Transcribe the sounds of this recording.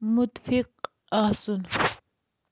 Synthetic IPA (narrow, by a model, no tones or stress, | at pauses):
mʊt̪fiq | asun